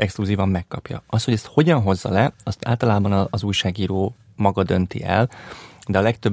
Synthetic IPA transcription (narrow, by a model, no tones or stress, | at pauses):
ʔɛkskluziːvɒmːɛkːɒpjɒ̰ɒst̪ho̞ɟɛst̪ho̞ɟɒnɦo̞zːɒ̰lɛɒst̪a̰ːlt̪ɒlaːbɒnɒːzuːjʃaːɡiːɾoː | mɒɡɒd̪ø̞nt̪ḭʔɛ̰ld̪ɛɒlɛkt̪øb